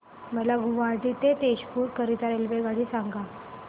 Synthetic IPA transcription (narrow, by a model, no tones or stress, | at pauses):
məlaɡuʋaɾʈ̪it̪et̪eɕpuːɾkəɾit̪aɾelʋeɡaɽiːsaŋɡa